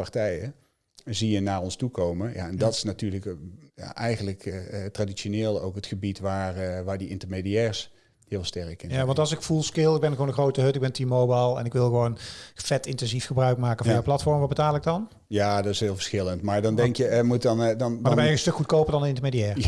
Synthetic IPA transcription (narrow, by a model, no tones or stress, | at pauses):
pɑɹtɛjə | zijənaːɹɔnstukowmənja̰ɛndɑtɪ̥snatyːɹləkja̰ʔɛjχənləktradit͡ʃoneːlˠowkətχəbitʋaːrʋaːɹdiʔɪntəɹmedijɛːɹs | hɪːlˠstɛɹəkɪnjaʋɑntɑlˠsɪkfulˠskɪlˠɪɡ̚bɛnɣʋoːnəxrowtəɦɵtɪɡ̚bɛntimowbajlˠɛ̰nɪkʋɪlˠɣəʋownfɛtɪntɛnzifxəbrœɥk̚maːkənvɔnjawplɑtfɔɹmʋɑt̚bətaːlˠɪɡ̚dɑn | jaːdɑtɪsɦɪːlˠvəɹsxɪləntmaːɹdɑndɛŋkjəmutndnadabɛjəənstɵkxut̚kowpəndɑndəɪntəɹmejdijɛːr